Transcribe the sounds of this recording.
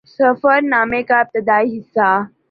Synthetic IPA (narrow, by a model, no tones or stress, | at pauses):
səfəɾnamekap̚t̪əd̪aɦisa